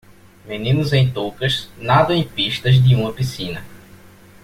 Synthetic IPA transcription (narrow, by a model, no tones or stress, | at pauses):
menĩnʊzẽj̃t̪okɐʃnad̪ɐ̃ẽj̃piʃt̪ɐzd̪ɪũmɐpisĩnɐ